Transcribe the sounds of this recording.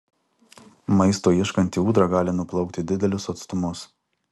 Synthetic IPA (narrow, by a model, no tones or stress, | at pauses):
mɐɪst̪oːjɪʃkɐnʲt̪ʲiuːd̪ɾɑɡɑːlʲɪnʊplˠɐʊkʲt̪ʲɪd̪ʲɪd̪ʲɛlʲʊsɐt̪st̪ʊmʊs